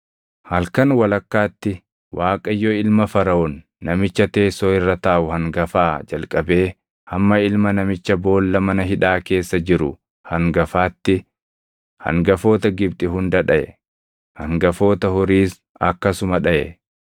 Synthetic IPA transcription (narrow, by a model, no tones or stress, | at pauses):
hɐlkɐnwɐlɐkːaːt̪ːɪ | wʔaːkʼɐjːoɪlmɐfɐɾɐɔnː | ɐmɪt͡ʃːɐt̪e̞ːsːoːɪrːɐt̪aːʔʊhɐŋɡɐfaːd͡ʒɐlkʼɐbe̞ː | hɐmːɐɪlmɐnɐmɪt͡ʃːɐbo̞ːlːɐmɐnɐɦɪᶑaːke̞ːsːɐd͡ʒɪɾʊ̰ | hɐŋɡɐfaːt̪ːɪ | hɐ̰ŋɡɐfo̞ːt̪ɐɡɪbt̪ʼɪɦʊnd̪ɐᶑɐʔɛ̰ | hɐ̰ŋɡɐfo̞ːt̪ɐhɔɾiːs | ɐkːɐsʊmɐᶑɐʔɛ̰